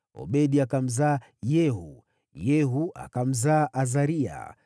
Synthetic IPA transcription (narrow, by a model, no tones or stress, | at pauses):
ɔ̰ɓɛɗiakam̩zaː | jɛɦu | jɛɦuʔa̰kam̩zaːʔazaɾia̰